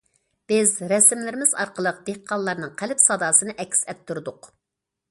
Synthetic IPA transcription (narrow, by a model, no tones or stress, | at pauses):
b̥ɪzɾɛsɪmlɪɾɪmɪzɑ̰ɾqəlˠəq̚d̪̥ehqʰːɑllːˠɑɾnɨŋqʰælɪpsɑd̪ɑːsɨnɨʔɛkʲːsɛt̪ʰːuɾd̪ʊq